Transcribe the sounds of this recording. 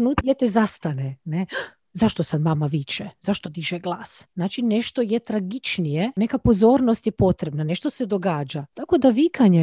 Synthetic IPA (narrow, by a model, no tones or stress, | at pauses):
nut̪jet̪ezast̪anene | zaʃt̪osad̪mamaʋit͡ʃɛzaʃt̪o̞d̪iʒeɡlˠaːsnaːt͡ʃine̞ʃt̪ojet̪ɾaɡit͡ʃnijenekapo̞zoːɾnost̪jepo̞t̪ɾebnaneʃt̪o̞sed̪oɡaːd͡ʒat̪ako̞d̪aʋikaɲe